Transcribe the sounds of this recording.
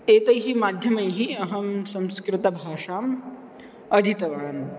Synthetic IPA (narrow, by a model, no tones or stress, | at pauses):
eːt̪ɐjɦimaːd̪ʱjɐmɐjɦiɐɦɐmsɐ̃wskɾɪt̪ɐbʱaːʂaːm | ɐd̪ʱit̪ɐʋaːn